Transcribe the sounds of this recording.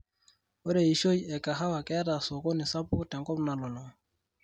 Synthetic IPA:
o˦ɾe˨i˨ʃo˦jɛ˨ka˨ɦa˦wa˨kɛ˦ɾa˨sɔ˨kɔ˦ni˨sa˦pu˦tɛ˨ŋkɔ˦mna˨lɔ˨nɔ˨

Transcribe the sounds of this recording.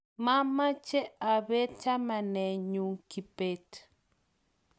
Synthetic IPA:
ma˦ma˦t͡ʃe˦a˨βe˦t͡ʃa˦ma˨nɛ˨ɲu˨ki˨pe˨t

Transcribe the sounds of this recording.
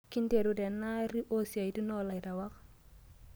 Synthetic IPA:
ki˦nte˨ɾudɛ˨na˦ɾi˦ʔo˦sja˨i˨ti˦nɔ˦la˨i˨ɾa˨wa˦k

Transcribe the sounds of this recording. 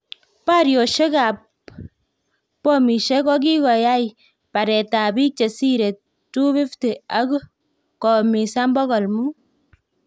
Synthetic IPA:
pa˦ɾjo˨ʃe˦ka˨p̚ | ɔ˦mi˨ʃɛ˦kɔ˦k̬i˦kɔ˨ja˦j | pa˨ɾɛ˨ta˨bi˦t͡ʃe˨si˦ɾe˨t | tu˦βɪ˦fte˨a˦k | kɔ˨mi˨sa˦mbɔ˦kɔ˨lmu˦

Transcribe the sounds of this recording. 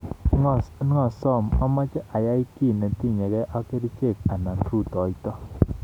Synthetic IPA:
ŋɔ˨sn˦ŋɔ˨sɔ˦˨mɔ˦ma˦t͡ʃɛ˦ʔa˨ja˦i˦ki˦˨ne˨ti˦˨ɲɛ˨ɡɛ˦ʔɔ˦ke˦ɾi˦t͡ʃe˦˨ka˨na˨ntu˦˨tɔ˨i˦tɔ˦

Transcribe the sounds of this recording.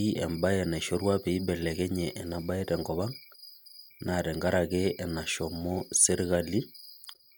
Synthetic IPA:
i˦ɛ̰mba˦ɛna˨ʃɔ˦ɾwa˦βe˨i˦βɛ˨lɛɣɛ˦ɲɛʔːna˨ba˦e˦tɛŋɡɔ˨βa˦ | naɾɛŋɡa˦ɾʔa˨ɣɛː˨na˨ʃɔmɔ˦se˦ɾe˦ɣa˦li˦

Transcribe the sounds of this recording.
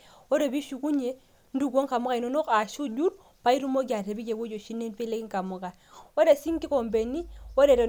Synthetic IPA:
o˦do˨bi˦ʃu˨ku˦ɲe˦ | n̩˦du˨ɡo˦ŋka˨mu˦ka˨i˨no˦no˦ka˨ʃu˦d͡ʒu˦ɾ | pa˦i˦ɾu˦mo˦ɡa˨ɾe˨bi˦d͡ʒe˨ɡu˦d͡ʒo˨ʃi˦nːe˦npe˦le˦ki˦ŋka˨mu˨ka˨ | o˦da˨si˦ŋki˦ko˨mbe˨nːi˦o˦ɾe˨ɾe˨

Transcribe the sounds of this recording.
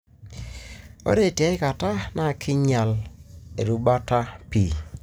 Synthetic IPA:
o̰˦ɾe˦˨tɛ˨˦ɪ˦ka˨ta˦na˨kʰɪ˦ɲa˨le˨ɾu˦ba˦ta˦pḭ˨

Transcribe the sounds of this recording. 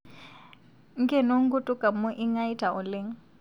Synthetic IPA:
ŋ̩˦kʼɛ˦˨no˦ŋ̩˦ɡʊ˦tʼʊ˦kʼa˨mʊ˦ʔi˦ŋa˦i˦tʰʼa˨ʔʊ˨le˦ŋ̩˦

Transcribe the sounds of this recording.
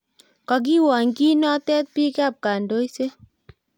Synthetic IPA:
kɔ˨k̬i˦wa˨ŋɡi˦nɔ˦tɛ˦t̪̚pi˦ka˦˨p̚ka˨ndo˦jse˦

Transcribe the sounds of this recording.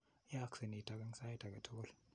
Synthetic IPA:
ja˦˨ksə˨ne˨ta˨ɡa˦ŋ˦sa˦i˦ta˨ɡa˨tʰo˦ɡo˦l

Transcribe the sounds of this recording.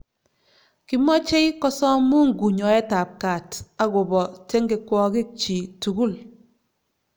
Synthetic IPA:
ki˦mɔ˦t͡ʃe˦jkɔ˦sɔ˦mu˦ŋɡu˨ɲɔ˨ɛ˦ta˨p̚ka˨ta˨ko˨bɔ˨te˦ŋɡe˨kwɔ˦kɪ˦k̚t͡ʃi˨tu˨ɡu˦l

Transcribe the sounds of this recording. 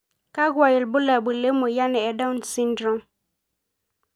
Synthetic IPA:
ka˦ɡwa˨jɪ˨lbʊ˦la˨bu˨le˦mo˨ja˦nɛ˨ɛ˨da˦ʊ˦nsi˦n˦dɾɔ˦m

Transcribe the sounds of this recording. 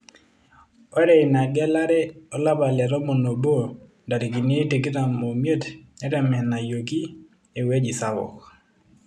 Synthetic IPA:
ɔ˦ɾɛ˨ɪ˨na˨ɡɛ˦la˦ɾɛ˦ɔ˦la˦ba˨lɛ˨ɾɔ˦mo˨no˨bo˦˨ | da˨ɾi˨ɡi˨ne˦te˨ki˦ta˨mo˨mje˦tnɛ˦ɾɛ˨mɛ˨na˨jo˨ki˦ | e˨we˦d͡ʒi˨sa˦wɔ̰˨k

